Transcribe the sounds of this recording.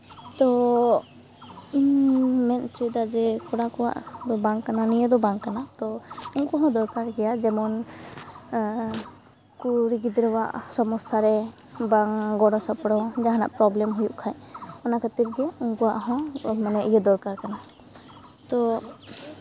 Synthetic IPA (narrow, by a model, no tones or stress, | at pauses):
t̪ɔ | inmɛnt͡ʃɔd̪ad͡ʒɛkɔɽakɔwa̰ʔd̪ɔbaŋkananijəd̪ɔbaŋkanat̪ɔuŋkɔɦɔ̃d̪ɔɾkaɾɡɛjad͡ʒɛmɔn | kuɾiɡid̪ɾɛwa̰ʔsɔmɔsaɾɛ | baŋɡɔɽɔsɔpɽɔd͡ʒaɦana̰ʔpɾɔblɛmɦujuʔkʰaɲɔnakʰət̪iɾɡɛuŋkɔwaʔɦɔ̃manɛʔijɛd̪ɔɾkaɾkana | t̪ɔ